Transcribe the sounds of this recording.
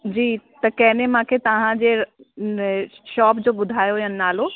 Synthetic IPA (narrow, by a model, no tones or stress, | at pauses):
d͡ʑiːt̪ɐkɐɦɪnemãːkʰet̪ɐʋ̤ãd͡ʑe | ʃɔːpd͡ʑoːɓʊd̪ʱaːjoɦijənɪnaːloː